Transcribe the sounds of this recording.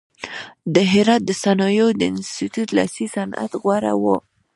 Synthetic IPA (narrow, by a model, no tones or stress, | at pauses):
d̪əɦɪɾɑt̪̚d̪əsanɑjod̪əɪnst̪it̪ut̪la̰sisana̰t̪ɣwaɾa̰wo